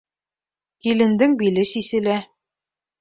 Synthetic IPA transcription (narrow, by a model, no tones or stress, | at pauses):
kilɘ̆nd̪ɘŋbilɘsisɘ̆læ